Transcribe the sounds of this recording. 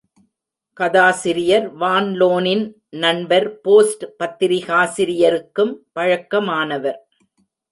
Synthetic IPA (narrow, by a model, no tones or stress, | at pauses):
kɐðaːsɪɾɪjɐɾʋaːnloːnɪn | nɐnbɐɾpoːsʈpɐt̪ːɪɾɪɣaːsɪɾɪjɐɾɯkːɯmpɐɻɐkːɐmaːnɐʋɐɾ